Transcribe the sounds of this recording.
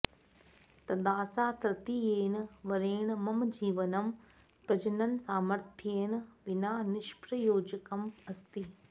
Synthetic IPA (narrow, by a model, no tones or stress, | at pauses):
t̪ɐd̪aːsaːt̪ɾɐt̪ijeːnɪ̆ʋɐɾeːɽ̃mɐmd͡ʑiːʋənɐm | pɾɐd͡ʑənənɪ̆saːməɾt̪ʰjeːn̆ʋɪnaːnɪʃpɾɐjoːd͡ʑəkɐmɐst̪iː